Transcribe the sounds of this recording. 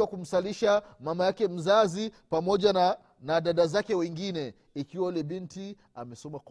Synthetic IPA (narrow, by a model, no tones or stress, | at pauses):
wakum̩saliʃamamajakɛm̩zazi | pamɔʄan | naɗaɗazakɛwɛŋɡinɛ | ikiwalɛɓinti | a̰mɛsɔmak